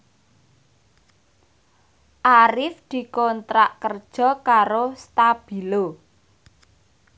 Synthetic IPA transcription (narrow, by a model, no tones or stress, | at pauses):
ʔaɾɪfd̪̥i̤kɔnt̪ɾaʔkərd̥ʒ̥ɔ̤kaɾost̪ab̥i̤lo